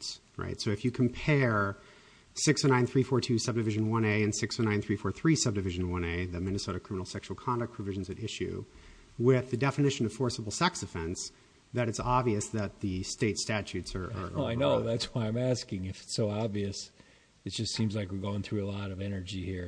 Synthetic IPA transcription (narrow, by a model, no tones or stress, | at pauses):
s | ɹa̰ɪtsoʊɨfjɨkʰm̩pʰɛɹ | sɪksnãɪ̃nθɹifɔɹtʰʉsʌb̚dɨvɪʒɨ̃nwʌ̃neɪɨ̃nsɪksnãɪ̃nθɹifɔɹθɹisʌb̚dɨvɪʒɨ̃n̩wʌ̃neɪðɨmɪ̃nɨsoʊɾɨkʰɹ̥ɪ̃mənl̩ˠsɛkʃul̩ˠkʰɑ̃ndɨk̚pʰɹ̥ɨvɪʒ̃n̩zɨɾɪʃʉ̰ | wɪðɨdɛfɨnɪʃɨ̃nʌv̥fɔɹsəbl̩ˠsɛksd̥ɨfɛ̃ns | ðɨɾɨtsɑbviɨsðɨt̪̚ðɨsteɪtstæt͡ʃʉtsə˞ə̰˞aɪnoʊðætswaɪãɪ̃mæskɪ̃ŋɨfɨ̥tsoʊɑbviɨs | ɨt̚d̥ʒ̥ʌstsĩmzlaɪkwɨɹɡoʊɪ̃ŋθɹʉəlɔɾʌvɛnə˞d͡ʒihiɹ